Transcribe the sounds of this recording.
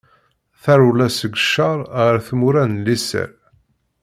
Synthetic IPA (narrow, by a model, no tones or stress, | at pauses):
θæɾulæsəɡəʃːɑɾˤʁəɾθmuɾænlisə̰ɾ